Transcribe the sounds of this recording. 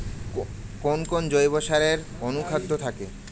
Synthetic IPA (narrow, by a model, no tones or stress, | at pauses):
konkond͡ʑojboʃaɾeɾ | onukʰat̪ːot̪ʰake